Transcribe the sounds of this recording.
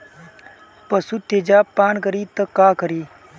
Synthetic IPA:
pəsut̪eːd͡ʒaːpaːnkəɾiːt̪əkaːkəɾiː

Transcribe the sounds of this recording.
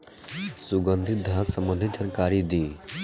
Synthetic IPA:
sʊɡənd̪ʱɪt̪̚d̪ʱãːksəmbə̃nd̪ʱɪt̪̚d͡ʒankaːɾid̪iː

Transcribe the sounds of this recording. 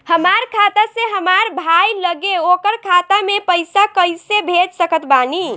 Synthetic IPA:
həmaɾkʰat̪aseɦəmaɾbʱajləɡeokəɾkʰat̪amepəjsakəjsebʱed͡ʒsəkət̪bani

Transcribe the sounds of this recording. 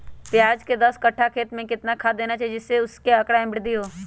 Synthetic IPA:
pjaːd͡ʒked̪ɐskɐʈʰːakʰeːt̪mẽkɪt̪nakʰad̪eːnat͡ʃaːɦid͡ʒɪsːeʊskeɐkɽaɪ̃mbɪɽd̪iɦoː

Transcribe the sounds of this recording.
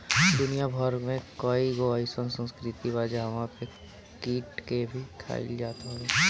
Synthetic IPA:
d̪ʊnijabʱəɾmẽkoiɡoaisə̃nsə̃nskɾɪt̪ibaːd͡ʒaɦɐmãpe | kiːʈkebʱikʰa̰ːɪ̰ld͡ʒaːt̪ɦe

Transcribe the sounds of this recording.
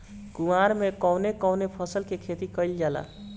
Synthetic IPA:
kumaɾmekɔwnekɔwnepʰəsəlkekʰet̪ikəɪld͡ʒala̰

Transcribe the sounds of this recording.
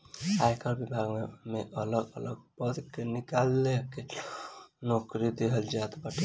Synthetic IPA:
ajkʰəɾbibʱaɡmeʔələɡələɡ̚bəd̪kenikalːeke | nɔkɾid̪eɦəld͡ʒat̪baʈi

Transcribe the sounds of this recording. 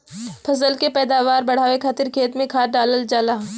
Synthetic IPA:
pʰɐsəlkepɛːd̪aːʋaːɾbɐɽ̤aːʋekʰaːt̪ɪɾkʰeːt̪mẽkʰaːɖaːləld͡ʒaːlaː

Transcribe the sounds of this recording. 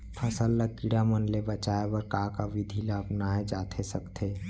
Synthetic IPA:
pʰɐsəlːəɡ̚kiɽamənlebət͡ʃaːebəɾkakaʋid̪ʱilaəpnaːed͡ʒaːt̪ʰesɐkt̪ʰeː

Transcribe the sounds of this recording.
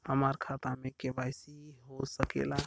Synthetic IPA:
həmaɾkʰat̪amekebajsiɦosəkḛla

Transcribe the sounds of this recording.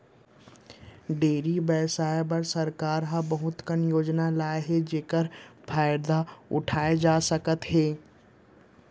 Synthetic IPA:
ɖeːɾibɛːsaːebɐɾsɐɾkaːɾɦãbɐɦʊt̪kənjoːd͡ʒnalaːeɦed͡ʒeːkəɾpʰaːɪɾd̪aʊ̰ʈʰaːed͡ʒaːsɐkət̪ɦeː

